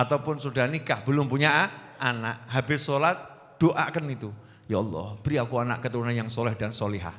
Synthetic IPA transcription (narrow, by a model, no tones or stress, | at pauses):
at̪awpʊnsudaɦnikahbəlʊmpuɲaʔ | anaʔɦabɪsolat̪̚ | d̥oʔaʔkənit̪u | jaɔlˠːɔ̰hb̥əɾiakuana̰ʔkət̪əɾunanjaŋsɔlɛhdansoliɦa̰h